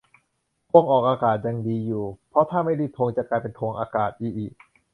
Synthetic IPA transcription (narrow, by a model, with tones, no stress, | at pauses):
kʰo˧ŋʔɔː˨˩k̚ʔaː˧kaː˨˩t̪̚ja˨˧˩ŋdiː˧juː˨˩pʰɾɔ˦˥t̪ʰaː˥˩ma˥˩jliː˥˩p̚t̪ʰoː˧ŋt͡ɕa˨˩klaː˧jpe˧nt̪ʰoː˧ŋʔa̰ː˧kaː˨˩t̪̚ʔiː˨˩k̚ʔiː˨˩k̚